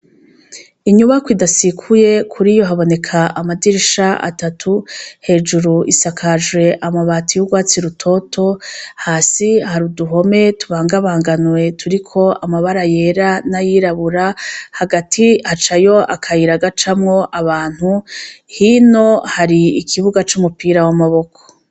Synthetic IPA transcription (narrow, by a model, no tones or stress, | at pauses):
iɲuβakwidasikʰuje̞kʰuɾijo̞ɦaβo̞ne̞kʰaamadiɾiʃaʔa̰tatʰuhe̞ːd͡ʒuɾuʔisakʰaʒwe̞ʔamaβaːtijuɡwaːt͡siɾutʰo̞tʰo̞haːsihaɾuduɦo̞me̞tuβaːŋɡaβaːŋɡanwe̞tuɾikʰo̞amaβaɾaje̞ɾanajiɾaβuɾahaɡatʰihat͡ʃajo̞ʔa̰kʰajiɾaɡat͡ʃamŋo̞ʔaβaːn̥huhino̞haɾiikʰiβuɡat͡ʃumupiːɾawamaβo̞kʰo̥